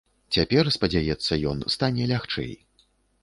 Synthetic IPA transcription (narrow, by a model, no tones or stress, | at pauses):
t͡sʲapʲɛrspɐd͡zʲajɛt̪sːɐjɔnst̪anʲɛlʲaxt͡ʂɛ̰j